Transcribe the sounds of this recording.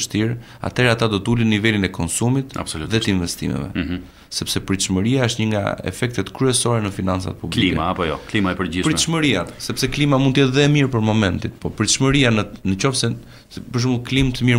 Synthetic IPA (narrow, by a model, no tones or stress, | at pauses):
ʃt̪iɾ | a̰t̪ɛɾɛat̪ad̪ɔt̪əulinːivɛlinɛkɔnsumit̪a̰bsɔluðɛt̪əinvɛst̪ḭmɛ̰vɛ̰ | sɛpsɛpəɾiʃməɾiaəʃt̪ɲəŋɡa̰ɛ̰fɛk̚t̪ɛt̪kɾyɛsɔɾɛnəfinant͡sa̰t̪̚publliikmɛapɔjɔklimaɛpəɾipəɾiəʃməɾiasɛpsɛklimamundt̪əjɛt̪ðɛmiɾpəɾmɔmɛnt̪it̪pɔpəɾiʃməɾianənət͡ɕɔfsɛ | pəɾʃ̬mulˠklimt̪əmiɾ